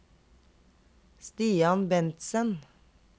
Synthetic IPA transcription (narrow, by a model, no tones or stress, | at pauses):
st̪iːɑnbɛnt̪sən